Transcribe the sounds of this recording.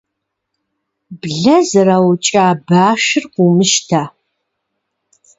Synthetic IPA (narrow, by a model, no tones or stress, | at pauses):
bɮɐzɐrɐwt͡ʃʼaːbaːʃɪrqʷumɨʃtʰaː